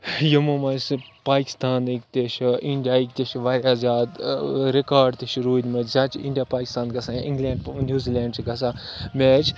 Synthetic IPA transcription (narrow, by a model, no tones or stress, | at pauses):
jɐmomɐspaːki̥st̪aːnikt̪ʲeʃiɳɖijaːikt̪eʃʋaːɾʲaːzʲaːd̪ɾekaːɾɖt̪iʃɾuːd̪ʲmɐt͡ʃzaːt͡ʃḭɳɖijaːpaːki̥st̪aːnɡɐsaĩŋɡlẽːɳɖpnʲjuːziːlʲẽːɳɖsɡɐs̬ameːt͡ʃʰ